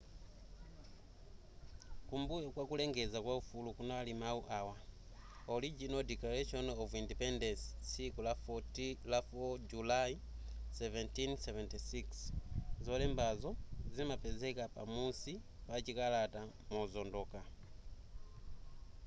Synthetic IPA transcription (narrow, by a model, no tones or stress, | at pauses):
kumbuɛkwakulɛŋɡɛzakwaufulukunaːlimauʔawa | ɔɾid͡ʒinɔdiklaɾɛʃɔnɔvindipɛndɛnssikulaftlafɔd͡ʒulai | sɛvɛntinsɛvɛntisikszɔlɛmbazɔzimapɛzɛkapa̰musi | pat͡ʃikalata | mɔzɔndɔka